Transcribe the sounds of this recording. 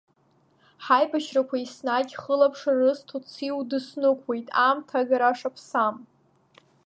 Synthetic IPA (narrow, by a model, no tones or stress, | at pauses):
ħajbaʃrakʷʰaisnakʲʼχəlapʰʂarɨstʰut͡sʰiwdɨsnɨkʷʰwe̞jtʼamtʰaɡaɾaʂapʰsam